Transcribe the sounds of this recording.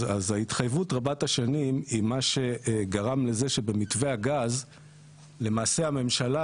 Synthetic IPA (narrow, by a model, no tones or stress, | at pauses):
azaitχajvutʁabathaʃanimimaʃe̞ɡaʁamle̞ze̞ʃe̞be̞mitve̞aɡaz | le̞maːse̞ame̞mʃala